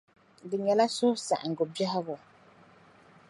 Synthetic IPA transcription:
dɨ˨ɲɛ˨la˦sʊ˦sa̰˨ʔa˨ŋ̩˨ɡʊ˨bɛ˦hɪ˦ɣʊ˨

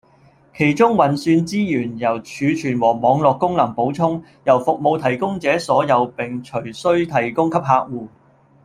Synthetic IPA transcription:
kʰe˨˩jt͡sʊ˥ŋwɐ˨˩nsyː˧nt͡siː˥jyː˨˩njɐ˨˩wt͡ʃʰyː˨˧t͡ʃʰyː˨˩nwɔː˨˩mɔː˨˧ŋlɔː˨kːʊ˥ŋlɐ˨˩ŋpo˨˥wt͡sʰʊ˥ŋ | jɐ˨˩wfʊ˨k̚mo˨˧wt̪ʰɐ˨˩jkʊ˥ŋt͡sɛː˨˥sɔː˨˥jɐ˨˧wpɪ˨ŋt͡ʃʰɵ˨˩ɥsɵ˥ɥt̪ʰɐ˨˩jkʊ˥ŋkʰɐ˥p̚ɦaː˧k̚wuː˨˩

